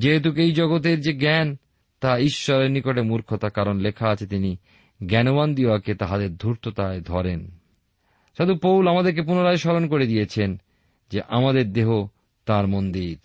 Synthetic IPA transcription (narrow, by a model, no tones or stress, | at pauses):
d͡ʑeɦet̪̬ukejd͡ʑɔɡot̪̬eɾd͡ʑeɡɛn | t̪aiʃːɔɾeɾnikoʈemuɾkʰot̪akaɾonlekʰaat͡ɕʰet̪ini | ɡɛnoband̪ioaket̪aɦad̪eɾd̪ʱuɾt̪ʰot̪aed̪ʱɔɾen | ʃod̪upowlamad̪eɾk̬ep̬unoɾaeʃɔɾonkoɾed̪ijet͡ɕʰen | d͡ʑeʔamad̪eɾd̪eɦo | t̪aɾmond̪iɾ